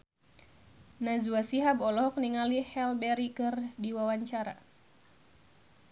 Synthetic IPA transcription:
nazuasiɦabɔlɔɦɔk̚niŋalihɛlbɛɾikɨrdiwawaɲt͡ʃaɾa̰

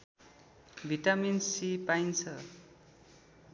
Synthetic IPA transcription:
bʱiʈaminsipajnt͡sʰʌ

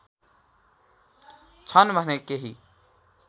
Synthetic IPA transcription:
t͡ʃʰʌnbʱənekeɦi

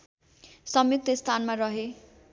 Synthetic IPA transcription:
sʌmjuk̚t̪ʌst̪ʰanmarʌɦe

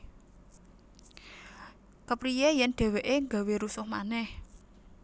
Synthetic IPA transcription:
kəpɾijejɛnɖ̪̥ɛ̤weʔeŋɡa̤weɾusʊhmanɛh

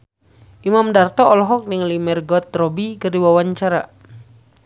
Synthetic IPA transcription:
ʔimamdart̪ɔːlɔɦɔk̚niŋlimɛrɡɔt̪̚rɔbikərdiwawaɲt͡ʃaɾa

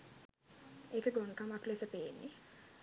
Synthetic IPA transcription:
eːkəɡonkamaklesəpeːnːi

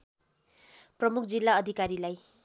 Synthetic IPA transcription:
prʌmuk̚ʰd͡zilːaʌd̪ʱikaɾilaj

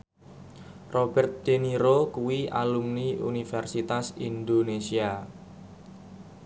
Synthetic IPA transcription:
rob̥ɛrt̪̚d̪̥eniɾokuwiʔa̰lumniṵnifɛrsit̪asind̪onesia

